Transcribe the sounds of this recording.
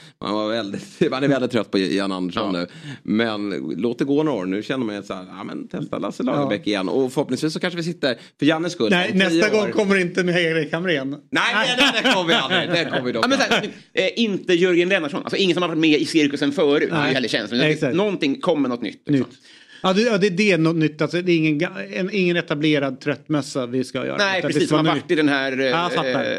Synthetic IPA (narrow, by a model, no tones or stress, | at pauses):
ma̰nvaɾvɛld̪ɪt̪manɛɾvɛld̪ɪt̪ʰːɾœt̪̚ːpʰɔana̰nd̪əʂɔnnːʉ̟ːmɛnloːt̪̚d̪ɛɡoːno̰ːnʉ̟ɕɛnːəɾmajashæ̰ːɾæ̰ːmɛ̰nt̪ʰɛst̪a̰la̰səlɑ̰ːbɛkːɪjɛ̰nːɔ̰fœɾhɔpnɪŋsviːsːɔkanʂəvɪs̬ɪt̪ːəɾ | fœɾjanːəskɵlnɛisːaɡɔŋːkʰɔmːəɾɪnt̪əmɪaɡɾɛkʰamɾɛnnɛɪɛd̪ɛkʰɔmːəvɪalɾɪd̪ɛkʰɔmːəvɪd̪ɔaːmɛnsæːʉ | ɛʔɪnt̪əjɵɾɡənlɛnaʂɔnʔa̰lsɔɪŋːət̪sɔmhaɾvaʈ̪mɛɪsɪɾkɵsɛnfœːɾʉ̰ːɛjhɛlːəɾʃɛ̰nslɔmɛsaknɔnt̪ɪŋkʰɔmːəɳɔt̪nʏ̰t̪ː | ɑːd̪ɑd̪ɛd̪ɛnɔt̪nʏt̪ːalsɔd̪ɛːɾɪŋːənɡɛnɪŋːənɛt̪ableːɾad̪̚t̪ʰɾœt̪ːmɛsːavɪska̰jœ̰ːɾɛɪɾsiːsanvaʈ̪ːɪd̪ɛnɦæɾfa